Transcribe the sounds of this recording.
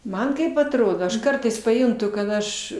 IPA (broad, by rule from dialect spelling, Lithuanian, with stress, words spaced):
ˈmɐn ˈkɐɪp ɐtˈroːdoː ɐʃ ˈkɐrtɐɪs pɐˈjʊntʊ kɐt ˈɐʃ